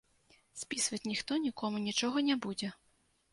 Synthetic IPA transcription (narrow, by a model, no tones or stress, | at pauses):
sʲpʲisvɐt͡sʲnʲixt̪ɔnʲikɔmunʲit͡ʂɔɣɐnʲɛbud͡zʲɛ